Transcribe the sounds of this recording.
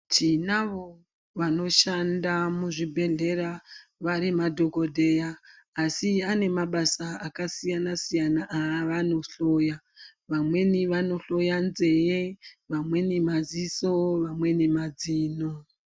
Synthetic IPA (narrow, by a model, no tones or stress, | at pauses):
t͡ʃinaʋo | ʋano̞ʃandamuʐibʱe̞ɮe̞ɾaʋaɾimadʱo̞ko̞dʱe̞jaː | siane̞maɓasaakasijanasijanaʔaʋano̞ɬo̞ja | ʋamwe̞niʋano̞ɬo̞janze̞jeʋamwe̞nimaziso̞ʋamwe̞nemad͡ziːno